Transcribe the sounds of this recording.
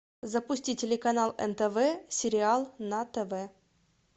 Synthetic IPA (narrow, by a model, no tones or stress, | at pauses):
zəpʊsʲtʲitʲɪlʲɪkɐnalˠɛ̰nt̪ɛvɛsʲɪɾʲɪalˠnɐt̪ɛvɛ